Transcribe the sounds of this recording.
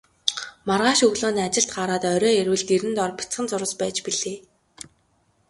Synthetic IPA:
marʁaːʃɵɣɮoːniːat͡ɕɪ̆ɬt̪̚ɢaːɾaːt̪œɾʲɔːeɾwɘ̆ɮt̪eɾɘ̆nt̪ɔrpʲi̥t͡sχə̆nt͡sʊɾə̆spæːt͡ɕpiɮeː

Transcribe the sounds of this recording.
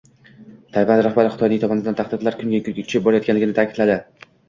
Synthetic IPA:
t̪ʰajvand̪ɾahbaɾɪχɪt̪ʰɒjnɪŋt̪ʰɒmɒnɪd̪ant̪ʰaχd̪ɪd̪laɾkʰʊmɡʲakʰʊɡʲakʰʊ̥ʃʰɪp̚bɒɾajɒt̪kʲanlɪɡʲɪnɪt̪ʰaːkʲʰɪd̪̥lad̪ɪ

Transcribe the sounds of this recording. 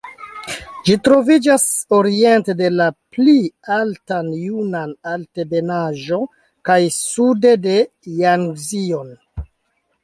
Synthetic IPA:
d͡ʒitɾo̞vid͡ʒaso̞ɾie̞nte̞de̞laplialtanjunanalte̞be̞naʒo̞ | kajsude̞de̞ | jaŋzion

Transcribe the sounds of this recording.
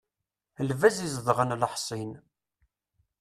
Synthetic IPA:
lvæzizðˤʁənləħsˤin

